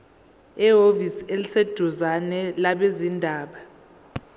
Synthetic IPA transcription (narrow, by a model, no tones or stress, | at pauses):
ɛɦoviselised̥ʱuzanɛlaɓezindʱaːɓa